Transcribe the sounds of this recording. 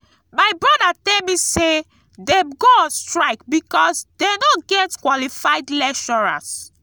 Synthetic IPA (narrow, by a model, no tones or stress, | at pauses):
majbɹɔdatɛlmĩse | deɡostɹaɪkbikɔsdenɔɡɛtkwɔlifaɪdlɛkʃɔɹa̰s